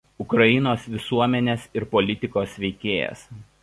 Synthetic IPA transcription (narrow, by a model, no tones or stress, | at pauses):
ʊkɾɐɪnoːsʋʲɪsuɔmʲɛnʲeːsɪɾpɔlʲɪt̪ʲɪkoːsʋʲɛɪkʲeːjɛ̰s